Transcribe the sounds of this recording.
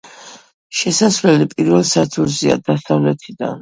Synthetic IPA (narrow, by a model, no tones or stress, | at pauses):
ʃɛsasvlɛlipʼiɾvɛlˠsat̪sʰuɾzia̰d̪asavlɛt̪ʰid̪a̰n